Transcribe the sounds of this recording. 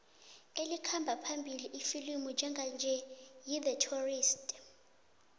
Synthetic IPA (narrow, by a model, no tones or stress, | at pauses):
elikʰambʱapʰambʱiliʔifilimud͡ʒʱɛŋɡʱand͡ʒʱɛjiðətʰuriːstʼ